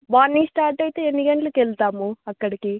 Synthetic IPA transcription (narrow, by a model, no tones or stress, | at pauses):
ʋaːnːiːsʈaːɾʈɐjt̪e̞ːenːiɡɐɳʈlukelt̪aːmuɐkːɐɽiki